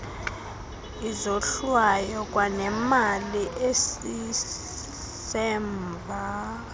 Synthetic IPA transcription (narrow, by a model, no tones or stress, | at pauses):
izoɬwajɔk̬ʼwanɛmaliʔesi | sɛːmvʱa